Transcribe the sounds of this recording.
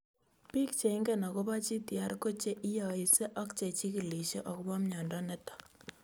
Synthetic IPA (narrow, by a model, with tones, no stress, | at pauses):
pi˦k̚t͡ʃe˨ɪ˦ŋɡɛ˦nɔ˨ko˦ba˦t͡ʃi˦tja˨ɾko˦t͡ʃe˦ʔɪ˦jɔ˨ɪ˨sɛ˦ʔɔ˦kt͡ʃe˨t͡ʃi˦ki˨li˨t͡ʃe˦ʔɔ˨kbɔ˦m˦ɲɔ˨ndɔ˦nɛ˦tɔ̥˨k